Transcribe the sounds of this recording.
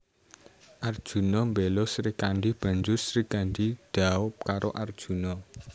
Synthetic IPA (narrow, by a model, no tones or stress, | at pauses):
ʔard̥ʒ̥ṳnɔmbelɔsɾikanɖib̥a̤ɲd͡ʒʊsɾikanɖid̪̥aʊp̚kaɾʔo̰ʔard̥ʒ̥ṳnɔ